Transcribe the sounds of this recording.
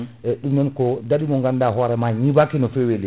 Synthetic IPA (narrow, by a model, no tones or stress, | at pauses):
ɛɗumnɛnkɔdaɗimɔŋɡandaɦɔːɾɛmaɲibakinɔfɛweli